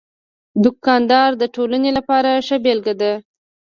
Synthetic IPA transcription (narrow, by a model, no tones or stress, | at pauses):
d̪ʊkɑnd̪ɑɾd̪əʈolanelapɑɾaʂəbelɡad̪a